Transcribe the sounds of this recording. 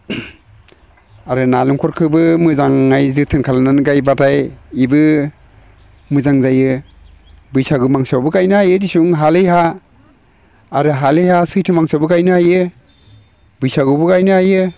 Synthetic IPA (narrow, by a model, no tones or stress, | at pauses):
aɾɯnaluŋkʰɔɾkʰɯbɯmɯzaŋːajzɯtʰɯnkʰalananɡajbatʰajibɯ | mɯzaŋzajɯ | bɯjsaɡɯmaŋsawbɯkajnɯhajɯdisuŋɦalɯjɦa | ɾɯɦalɯjhasɯjtʰɯmaŋsawbɯkajnɯhajɯ | bɯjsaɡɯbɯɡajnɯhajɯ